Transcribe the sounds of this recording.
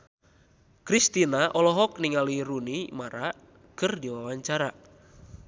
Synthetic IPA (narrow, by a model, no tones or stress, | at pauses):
kɾist̪inaʔɔlɔɦɔk̚niŋaliɾunimaɾa | kɨrdiwawaɲt͡ʃaɾa